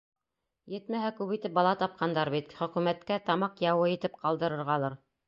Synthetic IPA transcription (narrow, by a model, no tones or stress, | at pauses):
jɘt̪mæɦækʉpit̪ɘp̚bɑlˠɑt̪ɑp̚qʰɑnd̪ɑɾβit̪χɵ̆kʉmæt̪kæt̪ɑmɑqjɑwɤjɘ̆t̪ɘp̚qɑlˠd̪ɤ̆ɾɤ̆ɾʁɑlˠɤɾ